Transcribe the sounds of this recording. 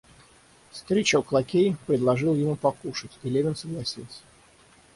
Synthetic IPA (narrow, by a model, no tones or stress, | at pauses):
fst̪ɾʲet͡ɕəoklˠɐkʲejpɾʲɪd̪lˠɐʐɨlˠjɪmupɐkuʂɨtʲilʲevʲɪnsəɡlˠɐsʲilˠsʲə̥